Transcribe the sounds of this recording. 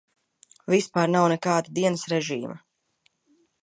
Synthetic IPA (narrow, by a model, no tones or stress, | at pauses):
vispaːɾnawnekaːd̪ad̪iɛnəsɾɛʒiːma